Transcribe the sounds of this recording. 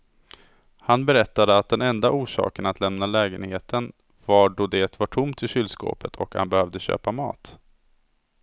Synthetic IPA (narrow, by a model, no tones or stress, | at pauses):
hanbɛɾɛt̪ːad̪əat̪̚d̪ɛnɛnd̪aʔuːʂɑ̰ːkənat̪ʰlɛmnalɛːɡənheːt̪ʰən | vaɖod̪eːt̪vaʈʰʊmt̪ɪɕʏld̪sko̰ːpət̪ʰɔ̰kha̰nbɛhœvd̪əɕø̰ːpamɑ̰ːt̪